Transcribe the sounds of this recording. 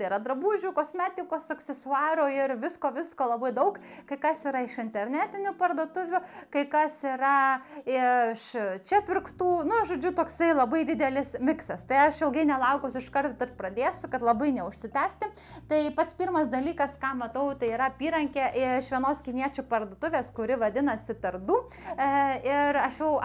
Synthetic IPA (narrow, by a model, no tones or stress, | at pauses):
ɐɪiɾɐd̪ɾɐbuːʒʲukoːsʲmʲæːt̪ʲɪkoːssʊksʲɛsʊɑːɾoɪrʋʲɪskoːʋʲɪskoːlˠɐbɐɪd̪ɐʊk | kɐɪkɐsiːɾɐɪʃɪnʲt̪ʲɛrʲnʲæːt̪ʲɪnʲʊpɐrd̪oɔt̪ʊʋʲʊkɐɪkɐsiːɾɐɪɪʃt͡ʃʲɛpʲɪrkt̪uːnʊʒoːd͡ʒʲʊt̪oːksɐɪlˠɐbɐɪd̪ʲɪd̪ʲɛlʲɪsmʲɪksɐst̪ɐɪɐʃɪlˠɡɐɪnʲɛlˠɐʊkosʲʊɪʃkɐrt̪ʊt̪ɐtpɾɐd̪ʲeːsʲʊkɐt̪lˠɐbɐɪnʲɛʊʃʲsʲɪt̪ʲæːsʲt̪ʲɪ | t̪ɐɪpɐt̪spʲiːrmɐsd̪ɐlʲiːkɐskɑːmɐt̪ɐʊt̪ɐɪiːɾɐɐpʲiːɾɐŋʲkʲeʔɪʃʲʋʲiɛnoːskʲɪnʲiɛt͡ʃʲʊpɐrd̪oːt̪ʊʋʲeːskʊɾʲɪʋɐd̪ʲɪnɐsʲɪt̪ɐrd̪uː | ɪɾɐʃjɛʊ